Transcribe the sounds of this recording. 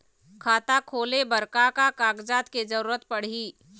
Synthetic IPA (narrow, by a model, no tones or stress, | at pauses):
kʰaːt̪akʰoːlebɐɾkakakaːɡd͡ʒaːt̪kezəɾuːɾət̪pɐɽ̤iː